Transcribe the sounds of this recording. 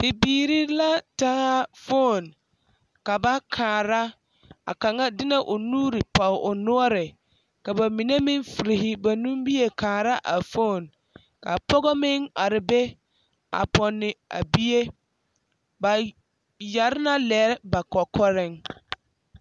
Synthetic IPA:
pɪ˨biː˨ɾi˦la˦taː˦fo˦˨n | ka˨ba˦kʰaː˨ɾa˦ | a̰˨ka˨ŋa˦dɪ˦na˦ʔʊ˨nuː˦ɾɪ˨pa˨ʔʊ˨nʊ˦ɔ˦ɾɪ˨ | ka˨ba˨mi˨ne˦mɪ˦ŋfi˨ɾi˨ɦɪ˦ba˨nũ˦mbi˦e˨kaː˨ɾa˦ʔa˨fo˦˨n | ka˨pɔ˦ɣɔ˦mɪ˦ŋa˨ɾɪ˨be˦ | a̰˨pɔ˨nːɪ˨a̰˨bi˦je˦ | ba˨ | ja˨ɾɪ˦na˦lɛː˨˦ɾba˨kɔ˨kɔ˦ɾɪ˦ŋ

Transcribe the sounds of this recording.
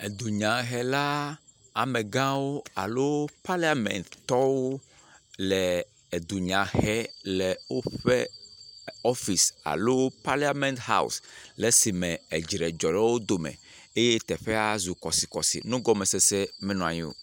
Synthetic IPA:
e˨d̪u˨ɲã˨ɦɛ˨la˦ | a˨mẽ˨ɡã˦wo˦a˨lo˦pa˦la˦mɛ̰̃˨nt̪t̪ɔ˦wo˦ | lɛ˨ | e˨d̪u˨ɲã˨hɛ˦lɛ˨wo˦ɸɛ˦ | ɔ˦fi˨sa̰˨lo˦pa˦li˦a˦mɛ̃˦nt̪ha̰˦ṵ˨sle˨si˨mɛ̃˨ɛ˨d͡ʒɾɛ˨d͡ʒɔ˨lɛ˦wo˦d̪o˨mɛ̰̃˨e˦je˦t̪ɛ˨ɸɛ˦a˦zu˨kɔ˨si˨kɔ˨sḭ˨nũ˦ɡɔ˦mɛ̃˨sɛ˦sɛ˦mɛ̃˦nɔ̃˨a̰˨ɲḭ̃˦wo̰˨

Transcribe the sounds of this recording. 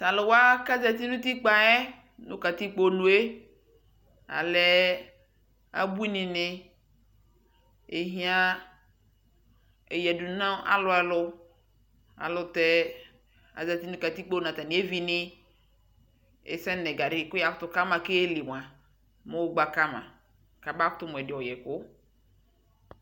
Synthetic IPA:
ta˨lɪ˨wa˦ka˦zɛ˨t̪̬i˦nũ˦t̪i˦k͡pa˨ɛ˦ | nʊ̃˦ka˨ti˦k͡po˦nũ˨˦e˦ | a̰˨lɛ˦ | a̰˨bu˦i˦nɪ̃˨nɪ˦ | e˨ɦĩ˦a˦ | e˨jɛ˨du˨nã˦a̰˦lʊ˦ɛ˨lʊ˦ | a̰˨lʊ˨t̪ɛ˦ | a̰˨za˨t̪i˦nu˦ka˨t̪i˦k͡po˦nã˨t̪a˨nɪ̃˨e˦vi˦nɪ̃˦ | ḛ˨sɛ˦nɛ̃˨ɡa˨ɖɪ˦˨kʊ˦ja˨kʊ˦t̪ʊ˦ka˦mã˨ke˦e˦le˨m˨a˨ | me˦wo˦ɡ͡ba˦ka˦mã̰˨ | ka˨ba˦kʊ˦t̪ʊ˦m˨ɛ˨dɪ˨ɔ˨jɛ˨kʊ˦

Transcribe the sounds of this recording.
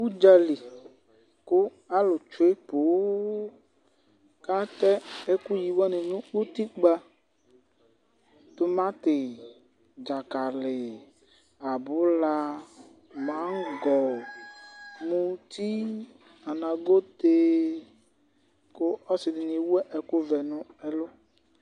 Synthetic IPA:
u˦d͡ʒa˨li˨ | kʊ˦ | a˦lʊ˨t͡ʃʊ˨˦e˦po˨˦ | ka˦tɛ˦e˦ku˦ji˨wɔ˦nɪ̃˨nʊ̃˦o˦t̪i˦ɡ͡ba˦ | t̪ʊ˦mã˦t̪ɪ˨ | d͡ʒa˨ka˨lɪ˨ | a˨bʊ˦la˦ | mã˦ɡɔ˨ | mũ˦t̪ʰi˦ | a˨nã˨ɡo˦t̪e˦ | kʊ˦ɔ˦sɪ˨dɪ˨nĩ˨wu˦ɛ˦ʔɛ˨kʊ˦vɛ˨nʊ̃˦ɛ˦lʊ˦

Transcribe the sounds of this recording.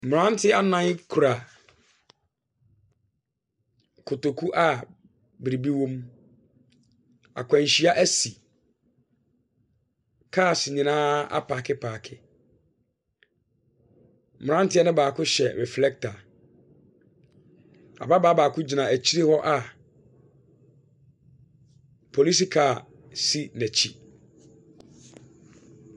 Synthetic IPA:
m˨ã˦n˦tʰɪ˦a˦nã˦ɲ˦kʰu˨ɾa˨ | kʰʊ˨to˨kʰu˦ʔa˦ | bɾi˨bi˦wõ˦m | a̰˨kʷʰã˨ɕi˦a˦ʔæ˦si˨ | kʰaː˦˨sɪ˨ɲĩ˨nãː˦a̰˦pʰaː˨kʰɪ˦pʰaː˨kʰɪ˦ | m˨ã˦n˦tɪ˦ɛ˦nɪ̃˦baː˨kʰʊ˦ɕɛ˨ɾɛ˨flɛ˦k̚tʰa˨ | a̰˨ba˦baː˦baː˨kʰʊ˦d͡ʑi˨nã˨æ˨t͡ɕʰi˦ɾi˦hɔ˦ʔa˨ | pʰo˨li˦s̬i˦kʰa˦˨ | si˦næ˨t͡ɕʰi˦

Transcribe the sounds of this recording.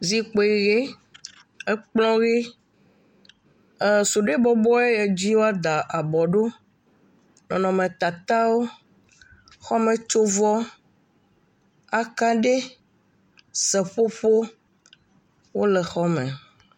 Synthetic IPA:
zi˨k͡po˨i˨ɣe˦ | e˦k͡plɔ̃˦ɣe˦ | su˨ɖe˦bɔ˦bɔ˦e˦je˨d͡ʑi˦wo˦a˦d̪a˨ʔa˨bɔ˨ɖo˦ | nɔ̃˨nɔ̃˨mẽ˨t̪a˨t̪a˦wo˦ | xɔ˦mẽ˨t͡ʃo˦vɔ˦ | a˨ka˦ɖe˦ | sɛ˨ɸo˦ɸo˦ | wo˦lɛ˨xɔ˦mɛ̃˨

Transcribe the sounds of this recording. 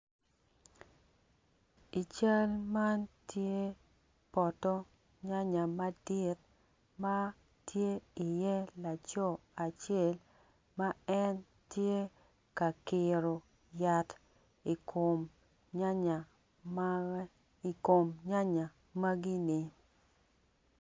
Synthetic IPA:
i˨t͡ʃa˦lma˦ntje˦ | pɔ˨tɔ˦ | ɲa˦ɲa˨ma˦dɪ˦t̚ | ma˦ | tʰje˦i˨jɛ˦la˨t͡ʃɔ˦a˨t͡ʃɛ˦˨l | ma˦ɛ˦n | tje˦ | ka˨kɪ˨ɾo˨ | ja˨t | i˨ko˨m˨ | m˦ | i˨ko˨mɲa˦ɲa˨ | ma˦ɡi˦nɪ˨

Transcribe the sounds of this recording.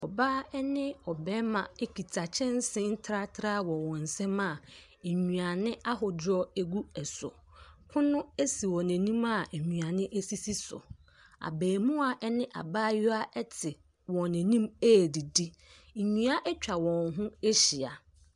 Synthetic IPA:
ɔ˨baː˦ɛ˦nɪ̃˦ɔ˨bɛ˦mã˨e˦kʰi˨tʰa˨t͡ɕʰɪ̃˦n˦sɪ̃˦n̩˦tʰɾa˦tʰɾaː˦wɔ̃˨wɔ̃˨n̩˨sɛ̃˦ma˨ | ɲũ˨a˨nɪ̃˦a˦ɦʊ˨dɔ˦e˦ɡu˦ɛ˨sʊ̰˨ | kʰʊ̃˦nʊ̃˦e˦si˨wɔ̃˨næ̃˨nĩ˦ma˨e˨ɲũ˨a˨nɪ̃˦ʔæ˦si˦si˦sʊ̰˨ | a̰˨beː˨mũ˦a˨ʔɛ˦nɪ̃˦ʔa̰˨baː˦jʊ˦a˦ʔɛ˦tʰɪ˨ | wɔ̃˨næ̃˨nĩ˦me˦˨di˨di˦˨ | ɲũ˨˦a˦ʔɛ˦t͡ɕᶣa˨wɔ̃˨ŋɦʊ̃˦e˦ɕi˨a˨

